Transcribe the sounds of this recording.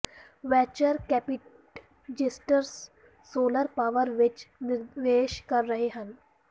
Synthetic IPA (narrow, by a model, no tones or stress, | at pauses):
ʋɛːt͡ʃəɾkɛːpɪʈ | d͡ʒɪsʈəɾs | soːləɾpaːʋəɾʋɪt͡ʃnɪɾd̪eːʃkɐɾːɐɦeɦə̃n